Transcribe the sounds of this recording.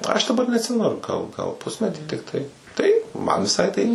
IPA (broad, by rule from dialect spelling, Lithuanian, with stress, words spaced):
ɐʃ dɐˈbɐr nʲɛɐtʲˈsʲɪmʲɛnʊ ɡɐlˠ ɡɐlˠ ˈpʊsʲmʲɛtʲiː tʲɪkˈtɐɪ tɐɪ ˈmɐn ʋʲɪˈsɐɪ tɐɪ